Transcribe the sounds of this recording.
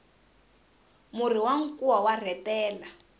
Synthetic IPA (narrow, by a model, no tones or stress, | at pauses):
mur̤iwaŋ̩kuwawar̤ɛtɛːla